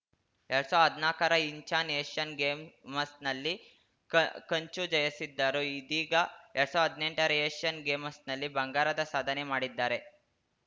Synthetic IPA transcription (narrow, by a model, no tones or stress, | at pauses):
eɭsoːɦɐd̪ʱnaːkɐɾɐiɲt͡ʃaːneːʂɐnɡeːmmɐsnɐlːi | kɐɲt͡ʃud͡ʒɐjɐsid̪ːaːɾuid̪iːɡɐɛɭsoːɦɐd̪ʱne̞ɳʈɐɾɐeːʂɐnɡeːmɐsnɐlːibɐŋɡaːɾɐd̪ɐsaːd̪ʱɐnemaːɽid̪ːaːɾe̞